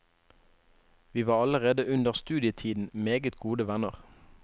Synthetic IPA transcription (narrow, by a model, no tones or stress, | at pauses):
ʋiːʋɑːʁɑləʁeːd̪əʔʉnd̪əʁst̪ʉːd̪ɪət̪ʰiːd̪n̩meːɡət̪ɡuːd̪əʋænəʁ